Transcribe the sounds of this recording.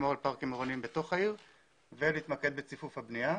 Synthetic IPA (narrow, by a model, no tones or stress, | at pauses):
moʁalpaʁkimeʁonimbeto̞χaiʁ | veleit̪make̞d̪̚bet͡sifufhabnia